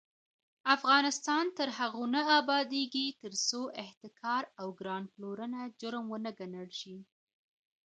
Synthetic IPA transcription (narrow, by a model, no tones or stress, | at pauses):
afɣɑnɪst̪ɑnt̪əɾhaɣonaabɑd̪eɡit̪əɾsoʔɪht̪ɪkʰɑɾawɡɾɑnploɾənad͡ʒʊɾmwənəɡanəɽʃi